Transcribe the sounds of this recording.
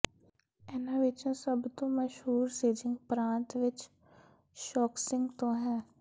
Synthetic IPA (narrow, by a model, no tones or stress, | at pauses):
ɛːnaʋɪt͡ʃõsəbt̪õməʃɦuːɾseːd͡ʒɪ̃ŋɡpɾãːnt̪ʋɪt͡ʃ | ʃɔːksɪ̃ŋɡt̪õɦɛː